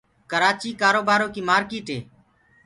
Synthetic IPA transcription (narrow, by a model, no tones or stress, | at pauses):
kəɾaːt͡ʃiːkaːɾoːbaːɾoːkiːmaːɾkiːʈɦeː